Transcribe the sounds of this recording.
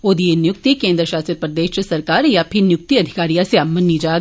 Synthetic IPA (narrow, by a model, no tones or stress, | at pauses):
oːd̪ienjʊk̚t̪ikẽːnd̪ɾəʃaːsəɾ̚pɾɐd̪eːʃsɐɾkaːɾjapʰɪnjʊk̚t̪iɐd̪ʱɪkaːɾijaseaːmɐnːid͡ʒaː